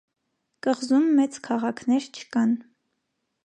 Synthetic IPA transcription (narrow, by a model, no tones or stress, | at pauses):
kəʁzumːɛt͡skʰɑʁɑkʰnɛɾt͡ʃʰə̥kɑn